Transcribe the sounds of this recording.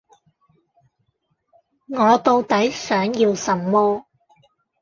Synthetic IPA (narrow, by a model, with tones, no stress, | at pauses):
ŋɔː˨˧t̪o˧wt̪ɐ˨˥jsœː˨˥ŋjiː˧wsɐ˨˩mːɔː˥